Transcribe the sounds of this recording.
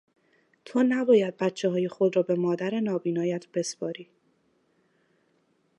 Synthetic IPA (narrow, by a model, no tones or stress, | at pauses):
t̪ʰoːnæbɒːjæd̪̚bæt̪t͡ʃʰːeɦɒːje̞xo̞d̪ɾɒːbe̞mɒːd̪æɾe̞nɒːbiːnɒːjæt̪ʰb̥e̞spɒːɾiː